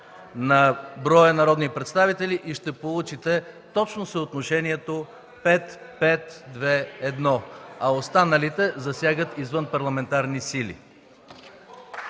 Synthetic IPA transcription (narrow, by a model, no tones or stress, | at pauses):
nɐbɾɔjənɐɾɔd̪nipɾɛt̪st̪avit̪ɛliʔiʃt̪ɛpolˠut͡ʃit̪ɛt̪ɔt͡ʃnosəot̪noʃɛniɛt̪o | pɛt̪ | pɛt̪d̪vɛɛd̪nɔɐost̪anɐlit̪ɛzɐsʲjaɡət̪izvənpɐɾlˠɐmɛnt̪aɾnisilḭ